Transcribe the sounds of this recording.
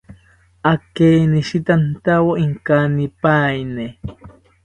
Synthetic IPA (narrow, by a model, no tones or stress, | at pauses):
akeniʃit̪ant̪awoʔiŋkanipajne